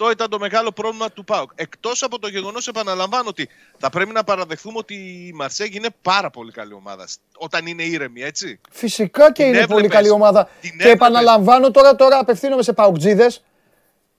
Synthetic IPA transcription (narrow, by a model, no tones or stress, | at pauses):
ft̪o̞it̪ɐnd̪o̞me̞ɣɐlo̞pɾo̞vlimɐt̪upɐuke̞kt̪o̞sɐpo̞t̪o̞ʝe̞ɣo̞no̞se̞pɐnɐlɐɱvɐnoot̪i | θɐpɾe̞pinɐpɐɾɐðe̞xθumeo̞t̪imɐɾseʝiine̞pɐɾɐpo̞likɐlio̞mɐ̰ðɐ̰s | o̞t̪ɐnine̞iɾe̞mie̞t͡si | fisikɐce̞inep̬o̞likɐlio̞mɐðɐeːpɐnɐlɐɱvɐno̞t̪o̞ɾɐt̪o̞ɾɐːpe̞fθinome̞se̞pɐokd͡ziðe̞s